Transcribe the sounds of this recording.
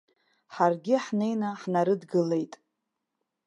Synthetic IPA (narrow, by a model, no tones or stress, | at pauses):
ħarɡʲɪħne̞jnaħnaɾɨdɡɨle̞jtʼ